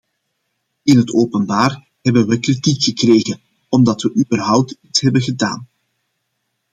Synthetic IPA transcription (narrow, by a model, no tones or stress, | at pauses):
ɪnɦətʰoːpənbaːr | ɦɛbənʋɛkritikxəkreːɣən | ɔmdɑtʋəʔybərɦʌwp̚titsɦɛbənɣəda̰ːn